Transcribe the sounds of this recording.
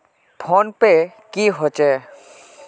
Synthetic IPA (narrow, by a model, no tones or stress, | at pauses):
pʰɔnpe | kiɦot͡ʃe